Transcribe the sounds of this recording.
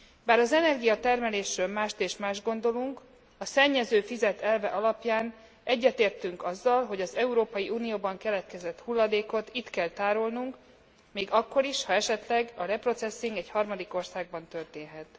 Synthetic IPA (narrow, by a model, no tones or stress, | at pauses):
baːɾɒzɛnɛrɡijɒt̪ɛrmɛleːʃrøːlmaːʃt̪eːʃmaːʒɡo̞nd̪o̞luŋk | ɒsɛɲːɛzøːfizɛt̪ɛlvɛʔɒlɒpjaːn | ɛɟːɛt̪eːrt̪yŋkɒzːɒlɦo̞ɟɒzɛuɾoːpɒjiʔuːnijoːbɒŋkɛlɛt̪kɛzɛt̪hulːɒd̪eːko̞t̪it̪kɛlt̪aːɾo̞lnuŋk | miːɡɒkːo̞ɾiʃhɒɛʃɛt̪lɛɡɒlɛpro̞t̪sɛsːiŋɡɛchɒrmɒd̪iko̞rsaːɡ̚bɒnt̪ø̞rt̪eːnɦɛt̪